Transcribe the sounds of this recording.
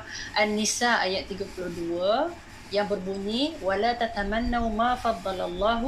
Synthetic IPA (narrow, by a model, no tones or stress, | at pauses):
ʔanːisaʔajat̪ːiɡapuluhduə | jaŋbərbuɲĩwalat̪at̪amanːawmãfɑd̪ˤːɑlalˤːɑːɦ